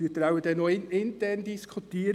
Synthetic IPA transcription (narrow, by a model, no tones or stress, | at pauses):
iːt̪ɾawədɛnːoɪnɪnt̪ɛrndiskʰut̪iːəɾ